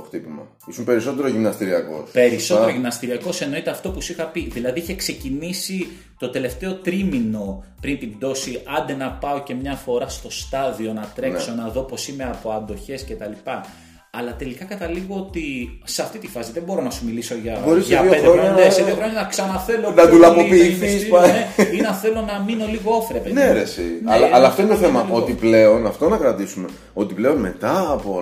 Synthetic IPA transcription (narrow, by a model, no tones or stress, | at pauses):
oxt̪ipimɐ̰ | isumpe̞ɾiso̞t̪eɾoʝimnɐst̪iɾiɐko̞̰spe̞ɾiso̞teɾoʝimnɐst̪iɾiɐko̞se̞no̞it̪eɐft̪o̞pusixɐpiðilɐðiiçekse̞cinisi | t̪o̞t̪e̞le̞ft̪e̞o̞t̪ɾimino̞pɾint̪ind̪o̞siʔɐnd̪e̞nɐpɐo̞ce̞mɲɐfo̞ɾɐst̪o̞st̪ɐðio̞nɐt̪ɾe̞nkso̞nɐðo̞po̞sime̞ɐpo̞ɐnd̪o̞çe̞sce̞t̪ɐlipɐː | lɐt̪e̞likɐkɐt̪ɐliɣoot̪iseɐft̪it̪ifɐsiðebo̞ɾo̞nɐsumiliso̞ʝɐbo̞ɾiseɐioexɾoɲɐeseðioxɾoɲɐnɐksɐnɐθelonɐt̪ulɐpopiːθispaeinɐθe̞lo̞nɐmino̞liɣoofɾepeneɾesḭɐlɐːlɐːft̪oinet̪oθemɐʔo̞t̪iple̞o̞nɐft̪o̞nɐkɾɐt̪isume | o̞t̪iple̞o̞nme̞t̪ɐːpo